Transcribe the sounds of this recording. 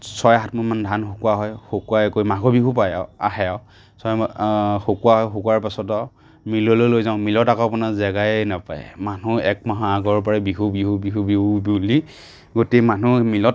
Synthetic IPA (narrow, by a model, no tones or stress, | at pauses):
sɔjaɦatmɔmandʱanxokuaɦɔjhokuakojmaɡɔbiɦupaja̰a̰ɦɛa | sɔjxokuaɦɔjxokwaɹpasɔta | milɔlojlojzaʊ̃milɔtakɔapɔnazɛɡajnapaj̰manuɛk̚maɦaaɡɔɹp̬ɔɹɛbiɦubiɦubiɦubibili | ɡotemanumilɔt